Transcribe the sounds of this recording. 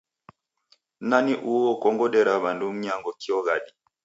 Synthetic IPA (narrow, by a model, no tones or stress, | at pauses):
naniʔuɔkɔŋɡɔɗɛɾaβandum̩ɲaŋɡɔkiɔɣaɗi